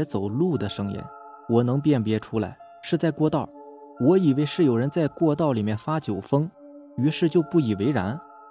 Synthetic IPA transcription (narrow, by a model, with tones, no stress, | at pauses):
ɛ˧˥t͡so˨˩ʊlu˥˩d̪ə˩ʂɤ˥ŋjɛ̰˧˥n | wɔ˨˩nɤ˧˥ŋp̬jɛ˥˩npjɛ˧˥ʈ͡ʂʰu˥la̰˧˥ɪ | ʂɻ̩˥˧t͡sa˥˧ɪkwɔ˥˧t̪ɑ˥˩ʊ | wɔ˧˥i˨˩we˧˥ɪʂɻ̩˥˩jo˨˩ʊɻə˧˥nt͡sa˥˧ɪkwɔ˥˧t̪ɑ˥˩ʊli˨˩mjɛ˥˩nfa˥t͡ɕjo˨˩ʊfɤ˥ŋ | y˧˥ʂɻ̩˥˧t͡ɕjo˥˧ʊpu˥˩i˨˩we˧˥ɪɻa̰˧˥n